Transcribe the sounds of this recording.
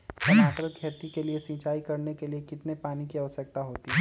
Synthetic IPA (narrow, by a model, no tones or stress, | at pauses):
ɐnaːkɾəkʰɛːt̪ikeliesĩːt͡ʃaːikɐɾnekeliekɪt̪nepaːnikiɐʋəsɐk̚t̪aɦoːt̪iɦɛ